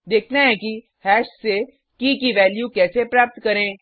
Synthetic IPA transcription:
d̪eːkʰnaɦɛ̃ki | hɛːʃse | kikiʋɛːljukɛːsepɾaːp̚t̪kɐɾẽː

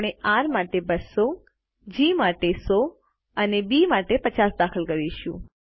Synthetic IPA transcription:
ɽ̃eʔaɾmaʈebəso | d͡ʒimaʈeso | ənebimaʈepət͡ʃasd̪akʰəlɡəɾiʃũ

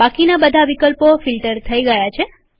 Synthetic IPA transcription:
akinabəd̪ʱaʋikəlpofilʈəɾt̪ʰəiɡəjat͡ʃʰe

